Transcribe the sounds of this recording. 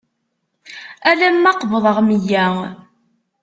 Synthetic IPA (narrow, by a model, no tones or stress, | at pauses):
ælæmːɑqvəðˤəʁməjːæ